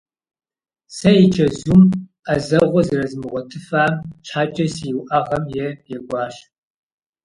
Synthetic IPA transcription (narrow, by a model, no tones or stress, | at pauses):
sɐjit͡ʃʰɐzum | ɐzɐʁʷɔzɨrɐzɨmɨʁʷɔtʰɨfaːmt͡ʃʰħaːt͡ʃʼɐsjwʔɐʁɐmjɛjɛɡʷɑːɕ